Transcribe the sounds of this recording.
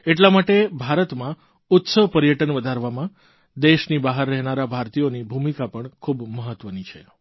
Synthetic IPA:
eʈlamaʈebʱaɾət̪mã | ʊt̪səʋpəɾijəʈənʋəd̪ʱaɾʋamã | d̪eʃnibaɦəɾːɛɦnaɾabʱaɾt̪ijonibʱumikapəɳkʰubməɦət̪ʋənit͡ʃʰe

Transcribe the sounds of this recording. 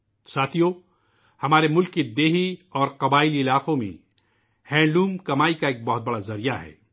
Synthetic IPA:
saːt̪ʰijõ | hɐmaːɾemʊlkːid̪eːɦiɔːɾqɐbaːɪliɪlaːqõmḛ̃ | hɛ̃ːɖuːmkɐmaːikaeːk̚bɐɦʊt̪̚bɐɽazɐɾijaɦɛ̰ː

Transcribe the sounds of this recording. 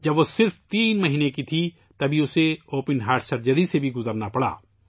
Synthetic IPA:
d͡ʒɐbʋosɪɾft̪iːnmɐɦiːnekit̪ʰi | t̪ɐbʱiʊseoːpənɦaːɾɖsɐɾd͡ʒəɾisebʱiɡʊzəɾnapɐɽa̰ː

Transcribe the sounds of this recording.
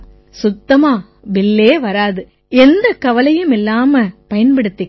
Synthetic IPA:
sʊt̪ːɐmaː | ʋɪlːeːʋɐɾaːðɯ | ɛnd̪ɐkɐʋɐlɐjɐmɪlːaːmɐpɐjɐnpɐɽɯt̪ːɪ

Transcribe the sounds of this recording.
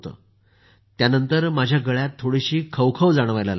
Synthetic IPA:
t̪ə̰ː | t̪janənt̪əɾmad͡ʑʱjaɡəɭjat̪ʰːoɽiɕiːkʰəʋkʰəʋd͡zaɽ̃ʋajlala

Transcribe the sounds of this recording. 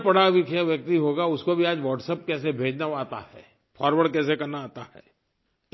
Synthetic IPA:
pɐɽaʋɪkjaʋjɐk̚t̪iɦoːɡaʊskobʱiaːd͡ʒʋɔːʈsəp̚kɛːs̬ebʱeːd͡ʒnaaːt̪a̰hɛ̰ː | fʰɔːɾʋəɽkɛːsekɐɾnaaːt̪ahɛ̰ː

